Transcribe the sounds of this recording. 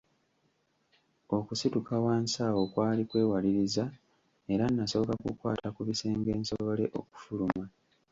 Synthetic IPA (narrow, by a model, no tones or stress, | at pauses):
o̞kusitukawaːnsaːwo̞kwaːlikwe̞ːwaliɾiza | e̞ɾanːaso̞βokakukwaːtakuβise̞ːŋɡe̞ːnsoβole̞ʔo̞̰ku̥fuluma